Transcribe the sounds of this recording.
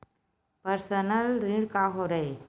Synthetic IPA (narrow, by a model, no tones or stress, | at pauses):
pəɾsənəlɾĩɽkaɦoɾəj